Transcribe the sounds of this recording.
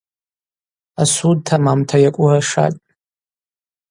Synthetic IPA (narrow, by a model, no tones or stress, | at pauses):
asud̚tʰamamtʰajakʷʼʊraʂa̰tʼ